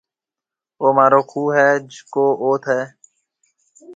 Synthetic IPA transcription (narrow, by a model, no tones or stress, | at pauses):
oːmaːɾoːkʰuːɦɛːd͡ʒkoːʔoːt̪ʰɦɛː